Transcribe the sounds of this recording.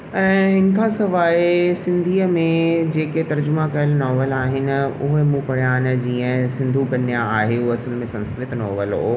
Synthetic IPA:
ɛ̃ːɦɪnɪ̆kʰasɐʋaːisɪ̃nd̪ʱiːəmẽd͡ʑeːket̪ɐɾd͡ʑʊmãkɐlnɔːʋəlaːɦɪnɪ̆ʊɦmũpɐɽ̤jaːn̆d͡ʑiːə̃sɪ̃nd̪ʱukɐnjaaːɦeuɐsəlmẽsɐ̃nskɾɪt̪nɔːʋəlɦoː

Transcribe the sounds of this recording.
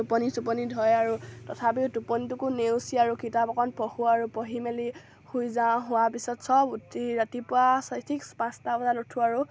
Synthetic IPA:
upɔnisupɔnidʱɔjaɹutɔtʰapiʊtupɔnit̬ukunewsiaɹukitapɔkɔnpɔhuaɹupɔɦimeli | hujzãɦʊwapisɔtsɔbutʰiɹatipʊwasɔjtʰikspãstabɔzalutʰuaɹu

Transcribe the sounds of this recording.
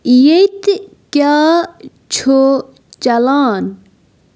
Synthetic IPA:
jejt̪ | kjaː | t͡ɕʰo | t͡ɕɐlaːn

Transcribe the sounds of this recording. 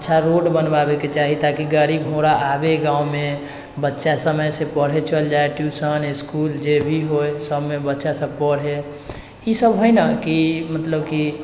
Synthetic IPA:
ətːʃʰaɾoɖbənbabeket͡ʃaɦit̪akiɡəɾiɡʱõɽaʔabeɡãːume | bətːʃasəməjsepəɽ̤et͡ʃʰəld͡ʒaeʈjusənɪskuːld͡ʒebʱiɦoesəbmebətːʃasəbpəɽ̤ɦe | isəbɦojnakimət̪ləbki

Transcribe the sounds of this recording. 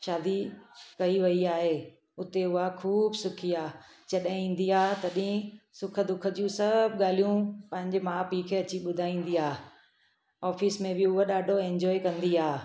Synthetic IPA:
ʃaːd̪ikɐiʋɐiaːɦeː | ʊt̪eʊɦakʰuːbsʊkʰiaː | t͡ɕɐɗaĩːn̆d̪iaːt̪ɐɗĩsʊkʰə̆d̪ʊkʰə̆d͡ʑũsɐbɠaːl̤ijũpɐ̃ɦɪ̃ɲd͡ʑemãːpiːkʰeɐt͡ɕiɓʊd̪ʱaːĩːnd̪iaː | ɔːfismẽbɪʊɦoɗaːɖʱoẽɲd͡ʑɔːekɐ̃nd̪iaː

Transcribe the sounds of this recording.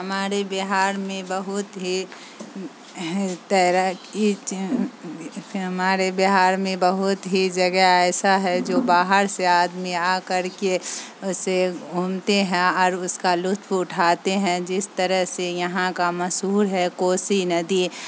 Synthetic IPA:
ɦəmaːɾebɪɦaːɾmẽbəɦʊt̪ɦi | t̪ɛɾəi | ɦəmaːɾebɪɦaːɾmẽbəɦʊt̪ɦid͡ʒɐɡəɛːsaɦɛd͡ʒoːbaːɦəɾseaːd̪miakəɾkeʊseɡʱuːmt̪eɦɛ̃ɔːɾʊskalʊt̪ʰpʊʈʰaːt̪eɦɛ̃d͡ʒɪst̪əɾəɦsejɐɦãkamɐsɦuːɾɦɛkoːsinɐd̪i

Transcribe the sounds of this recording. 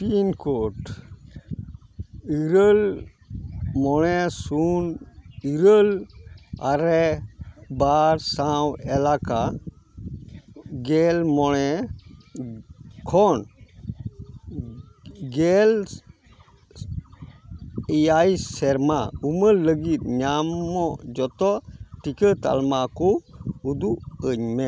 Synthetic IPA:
piːnkoːʈ | iɾəl | mɔɽesuniɾəl | aɾɛ | baːɾsãwɛlaːka | ɡeːlmɔɭɛ | kʰɔn | ɡel | iajsɛɾmaumələɡit̪ɲamːɔd͡ʒɔt̪ɔʈikət̪a̰lmakɔud̪uəɲmɛ

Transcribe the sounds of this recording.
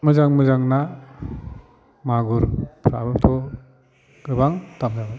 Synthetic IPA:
mɯzaŋmɯzaŋna | maɡuɾpʰɾabɯt̪ʰɔ | ɡ̥ɯbaŋt̪amzaba

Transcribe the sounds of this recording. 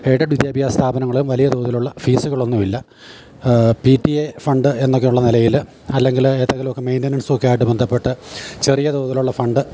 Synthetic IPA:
eːɽɐɖʋid̪jaːbʱjaːst̪ʰaːbɐnɐŋːɐɭumʋɐlijɐd̪oːðɐluɭːɐfiːsuɣɐɭo̞nːumilːɐ | pitːiefɐɳɖɨe̞nːo̞kːejuɭːɐnilɐjil | ɐlːe̞ŋɡileːt̪ːɐŋɡɐlumokːemejnʈinɐɳsuːkːɐjaːjiʈːɨbend̪ʱɐpːe̞ʈːɨt͡ɕe̞rijɐd̪oːðiluɭːɐfɐɳɖɨ

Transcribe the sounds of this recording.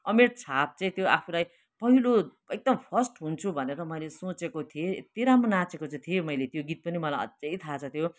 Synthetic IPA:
ʌmeʈt͡sʰap̚t͡saĩt̪joapʰulaj | pʌɦilo | eɡ̚d̪ʌmpʰʌrsʈɦunt͡sʰubʱʌneɾʌmʌjlesot͡sekot̪ʰieet̪iɾamonat͡sekot͡saĩt̪ʰiomʌjlet̪joɡit̪̚pʌnimʌlajʌ̰d͡zejt̪ʰat͡sʰʌt̪ʰjo

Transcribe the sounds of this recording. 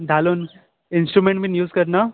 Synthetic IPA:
d̪ʱaːloːn | ɪnsʈɾumẽɳʈmĩnjuːzkɐɾna

